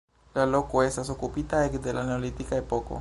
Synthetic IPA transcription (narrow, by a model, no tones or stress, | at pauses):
lalokuest̪asokupit̪aekd̪elaneolit̪ikaepoko̰